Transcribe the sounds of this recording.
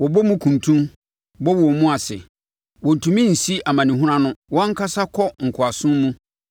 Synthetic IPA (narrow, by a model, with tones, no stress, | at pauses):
wɔ˨bɔ˦mũ˦kʰũ˨ntʰũ˦m | bɔ˦wɔ˨mũ˦a˨sɛ˨ | wɔ˨n̩˨tʰũ˨mĩ˦n̩˨si˦a˨mã˨nĩ˨ɦʊ˦ã˦nʊ̃˦wɔ̃˦ŋ̩˦kʰa˦sa˦kʰɔ˦ŋ̩˨kʰʊ˨a˨sʊ̃˦mmũ˦